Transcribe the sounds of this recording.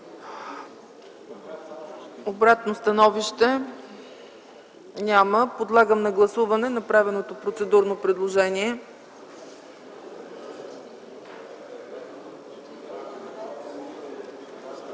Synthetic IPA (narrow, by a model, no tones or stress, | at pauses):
obɾat̪nost̪ɐnɔviʃt̪ɛ | nʲaməpod̪lˠaɡəmnɐɡlˠɐsuvɐnɛnɐpɾavɛnot̪opɾot̪sɛd̪uɾnopɾɛd̪lˠoʒɛniɛ